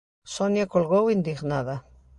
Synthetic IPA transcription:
sonjakolɣowind̪iɣnaða

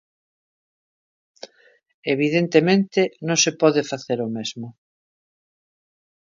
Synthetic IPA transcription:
eβiðent̪emẽnt̪ɪnõŋsepɔðefaθeɾomezmʊ

